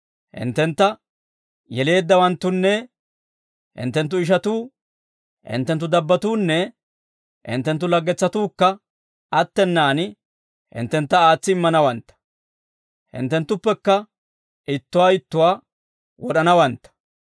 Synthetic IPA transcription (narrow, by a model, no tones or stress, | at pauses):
hɪ̰nt̪ːɛnt̪ːɐ | jɛle̞ːd̪ːɐwɐnt̪ːʊnːɛ | hɪ̰nt̪ːɛnt̪ːʊɪʃ̬ɐt̪uː | hɪ̰nt̪ːɛnt̪ːʊd̪ɐbːɐt̪uːnːɛ | ʔɪ̰nt̪ːɛnt̪ːʊlɐɡːɛt͡sːɐt̪uːkːɐ | ʔɐt̪ːɛnːaːnɪ | hɪ̰nt̪ːɛnt̪ːɐaːt͡sːɪɪmːɐnɐwɐnt̪ːɐ̥ | hɪ̰nt̪ːɛnt̪ːʊpːɛkːɐ | ɪt̪ːʊwaːɪt̪ːʊwaː | wɔɗɐnɐwɐnt̪ːɐ̥